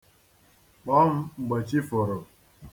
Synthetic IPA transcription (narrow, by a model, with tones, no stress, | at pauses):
k͡pɔ˦m̩˦ŋ͡m̩˨ɡ͡ba˨t͡ʃi˦fɔ˨ɾɔ˨